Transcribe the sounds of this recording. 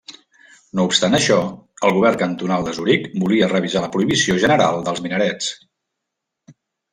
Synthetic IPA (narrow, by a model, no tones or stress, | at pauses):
noupst̪anəʃɔəlˠɣuβ̞ɛrkənt̪unalˠd̪əzuɾikbuliərəβ̞izaləpɾuiβisioʒənəɾa̰lˠd̪əlˠzminəɾɛt͡s